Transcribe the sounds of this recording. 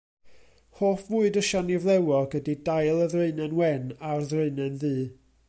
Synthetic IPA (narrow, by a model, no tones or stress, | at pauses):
hoːfvuːɨdəʃanɪvlˠɛwɔɡədidajlˠəðreɨnɛnwɛnarðreɨnɛnðɨː